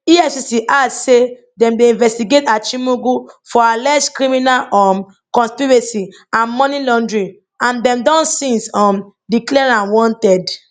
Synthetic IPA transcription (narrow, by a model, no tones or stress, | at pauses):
iɛsisiʔadse | dɛ̃mdeĩnvɛstiɡetat͡ʃimuɡufɔalɛskɹimĩnalɔm | kɔ̃nspiɹesi | ãnmɔ̃nilɔ̃ndɹĩn | ãndɛ̃mdɔ̃nsĩnsɔ̃m | diklɛɹãnwɔ̃ntɛd